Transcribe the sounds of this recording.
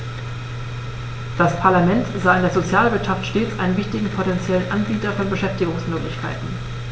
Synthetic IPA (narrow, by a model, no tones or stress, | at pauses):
d̥aspʰaɐlamɛntz̥aːɪndeɐzot͡sjaːlvɪɐtʃaftʃteːt͡sʔa̰ɪnənvɪçtɪɡŋ̩pʰotɛnt͡sjɛlənʔanbiːtɐfɔnbəʃɛftɪɡʊŋsmøːklɪçkʰa̰ɪtn̩